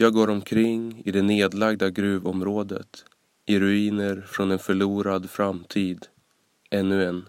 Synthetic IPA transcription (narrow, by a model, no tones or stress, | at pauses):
jɑːɡoːɾɔmkʰɾɪŋːɪ̰d̪ɛneːd̪laɡd̪aɡɾʉ̟ːvɔmɾoːd̪ə̰t̪ | ʔɪɾɵiːnəɾfɾɔnɛnfœɭuːɾad̪fɾamt̪ʰiːd̪ | ʔɛnːɵɛn